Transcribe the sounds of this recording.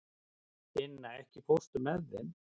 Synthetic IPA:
ɪnːaɛhcɪpʰowst̪ʏmɛðɾɪ̰n

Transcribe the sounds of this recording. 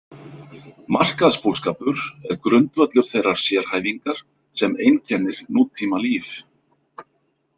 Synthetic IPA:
mar̥kaðspoːskaːpʏɾɛɾkɾʏnt̪vœt̪lʏɾ̥θejrːaɾ̥sjɛɾ̥haːjviŋkaɾ̥ | sɛmejncʰɛnːɪɾnuːt̪ʰːiːmaliːf

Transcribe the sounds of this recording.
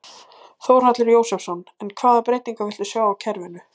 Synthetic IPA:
θoːwɾ̥at̪lɪɾjoːwsɛfsɔnɛnkʰvaːðapɾejt̪iŋkavɪlt̪ʏsjaːwawcʰɛɾvɪnʏ

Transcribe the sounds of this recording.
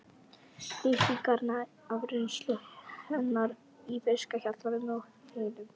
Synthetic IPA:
t̪ɪht̪ikaɾna | avɾʏnst̪lʏhɛnːaɾ | ifɪskaçaɾt̪lanʏmɔɣ | hœɣnʏm

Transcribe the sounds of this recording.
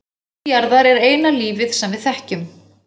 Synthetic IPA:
jaɾðaɾɛɾeːjnaliːvɪðsɛmvɪðθɛhcʏm

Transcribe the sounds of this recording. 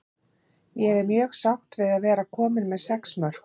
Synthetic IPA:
jɛvɛɾmjœːɣsawht̪vɪðaðvɛːɾakʰɔːmɪnmɛðsɛksmœɾ̥k

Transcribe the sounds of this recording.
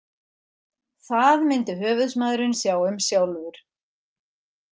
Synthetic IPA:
θaðmɪnt̪ɪɦœːvʏðsmaðɾʏnsjaːwʏmsjawlvʏɾ̥

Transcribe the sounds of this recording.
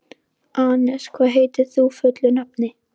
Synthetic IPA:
ʔanḁskʰvaːðɦejt̪ɪθufʏt̪lʏnap̚nɪ

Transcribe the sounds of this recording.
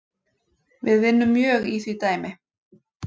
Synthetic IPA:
vɪðvɪnːʏmːjœːɣiːθɥiːt̪aːjmɪ

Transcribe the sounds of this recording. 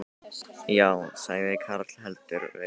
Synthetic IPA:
jaːwsajɪkʰaɾat̪lɦɛlt̪ʏɾvɪ̰

